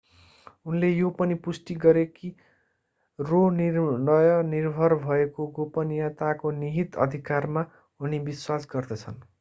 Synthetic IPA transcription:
unlejopʌnipusʈiɡʌɾeki | roninʌjʌnirbʱʌrbʱʌekoɡopʌnjat̪akoniɦit̪ʌ̰d̪ʱikarma | unibiswasɡʌrd̪ʌt͡sʰʌn

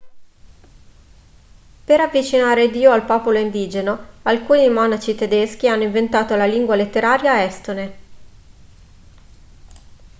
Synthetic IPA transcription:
peɾavːit͡ʃinaːɾed̪iːoalpɔːpoloind̪iːd͡ʒenoalkuːnimɔnat͡ʃit̪ed̪esk̟ianːoiɱvent̪aːt̪olaliŋɡwalet̪ːeɾaːɾjaɛst̪one

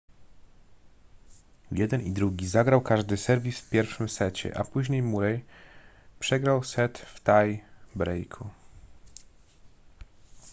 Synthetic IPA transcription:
jɛd̪ɛnid̪ɾuɡʲizaɡɾawkaʐd̪ɘsɛɾvʲisfpʲjɛɾfʂɘmsɛt͡ɕɛ̰ʔapuʑɲejmuɾɛj | pʂɛɡɾawsɛt̪ft̪ajbɾɛjkʰu

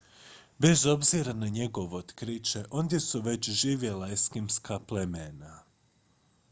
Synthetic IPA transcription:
be̞zo̞bziɾanaɲe̞ɡo̞ʋeot̪kɾit͡ʃe̞ʔo̞nd̪ʲje̞suʋe̞t͡ɕʒiːʋje̞laeskimskaplemena

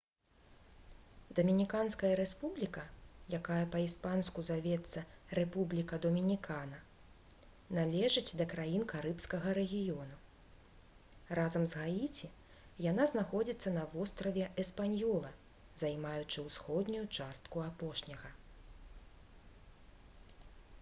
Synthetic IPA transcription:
d̪ɐmʲinʲikanskɐjɐɾɛspublʲikɐjakajɐpɐispanskuzavʲɛt̪sːɐrɛpublʲikɐd̪ɔmʲinʲikanɐ | nalʲɛʐɨt͡sʲd̪ɐkɾajinkaɾɨpskɐɣɐɾɛɣʲijɔnu | razɐmzɣajit͡sʲi | janaznaxɔd͡zʲit̪sːɐnɐvɔst̪ɾɐvʲɛʔɛspanʲjɔlˠɐ | zajmajut͡ʂɨwsxɔd̪nʲujut͡ʂast̪kuapɔʂnʲɐɣɐ

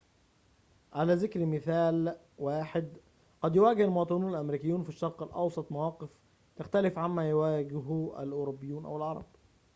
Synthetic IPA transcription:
ʕalæːzɪkɾmɪθæːl | waːħɪd̪ | qɑd̪jʊwæːɡɪhɪlmowɑːt̪ˤɨnuːnælʔæmɾiːkɪjːuːnfiʃːɑɾˤqɪlʔɑ̰wsˤɑt̪ˤmawɑːqɪf | t̪axt̪ælɪfʕamːæːjʊwæːɡɪɦæ̰lʔoːɾobːɪjːuːnʔæ̰wɪlʕɑɾˤɑ̰b

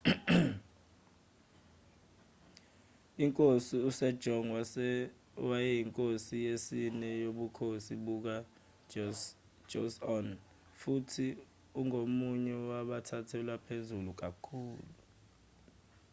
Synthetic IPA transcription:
iŋkʼosiusɛd̥ʒ̥ʱɔŋw | wajɛjiŋkʼosijesinɛjoɓukʰosiɓuk̬a | d͡ʒosɔn | futʰi | uŋomuɲɛwaɓatʰatʰɛlwapʰezuluk̬akʰuːlu

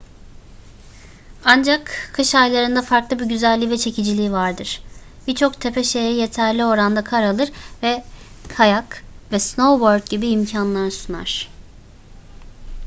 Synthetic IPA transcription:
and͡ʒakʰːɯʃajlˠaɾɯnd̪afaɾklˠɯbiɟyzælʲːivɛt͡ʃʰe̞cʰid͡ʒilʲiːvaɾd̪ɯɾ̥ | b̥iɾt͡ʃʰo̞kt̪ʰe̞pʰɛʃe̞jɛje̞t̪ʰæɾlʲio̞ɾand̪akʰaɾalˠɯɾvɛ | kʰajakvɛsno̞wboɾd̪̚ɟibiːmcʰanlˠaɾsuna̰ɾ̥

